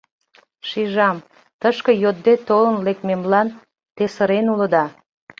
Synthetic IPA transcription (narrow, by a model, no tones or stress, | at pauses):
ʃiʒɑm | t̪əʃkə̆jod̪̚det̪olənlek̪̚memlɑn | t̪esəɾenuləd̪ɑ